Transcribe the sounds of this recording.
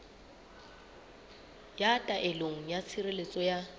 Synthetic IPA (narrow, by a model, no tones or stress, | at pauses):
jatʼaʔɪloŋ̩jat͡sʰirelet͡sʼɔja